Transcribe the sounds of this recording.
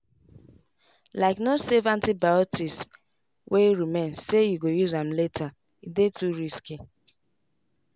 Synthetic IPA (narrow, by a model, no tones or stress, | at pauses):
laɪknosɛvãntibaɔtis | weiɹimẽnssejuɡojuzãmletʰa | idetuɹiski